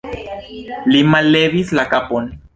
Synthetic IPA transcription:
limaleβislakapon

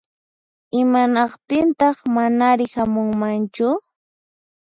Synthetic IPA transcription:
ɪmanɑqt̪ɪnt̪ɑχmanaɾɪhamʊŋmant͡ʃʊ

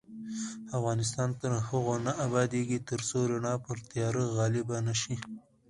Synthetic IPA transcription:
afɣɑnɪs̬t̪ɑnt̪əɾhəɣonaʔabɑd̪eɡit̪əɾsoɾaɳɑpəɾt̪jɑɾəɣɑlibanaʃi

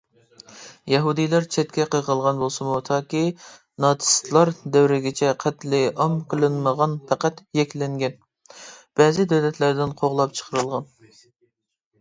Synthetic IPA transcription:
jɛɦud̪ɨjlæɾt͡ʃʰɛt̪̚kʲʰɛqəʁʰəlˠʁɑnbolˠsɨmut̪ʰɑːkʲi | nɑt̪ʰɨ̥st̪lˠɑɾd̪ɛwɾɪɡʲɪt͡ʃʰɛqʰæt̪lɪʔɑmqʰəlˠɨnməʁɑnpʰæqæt̪jɛkʲlɛŋɡʲɛn | b̥ɛːzɪd̪ɛwlɛt̪ʰlæɾd̪ɪnqʰoʁlˠɑp̚t͡ʃʰə̥qʰəɾɨlˠʁɑn

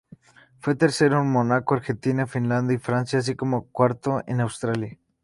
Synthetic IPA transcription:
fwe̞t̪e̞ɾse̞ɾounmonakoaɾxe̞nt̪inafinland̪jaifɾansjaːs̬ikomokwaɾt̪oḛnawst̪ɾalja

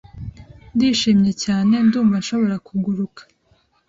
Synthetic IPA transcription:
ndiːʃiːmɲe̞caːne̞nduːmvanʃo̞βo̞ɾakuɡuɾukḁ

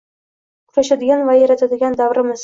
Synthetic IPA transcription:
kʰʊɾaʃad̪ɪɡʲanvajaɾat̪ʰad̪ɪɡʲand̪avɾɪmɪz

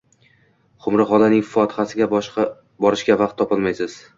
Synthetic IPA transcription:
χʊmɾɪχɒlanɪŋʲffɒt̪ʰɪ̥χasɪɡʲabʃ | bɒɾɪʃɡʲavɑq̚t̪ʰːɒpɪlmajsɪz̥

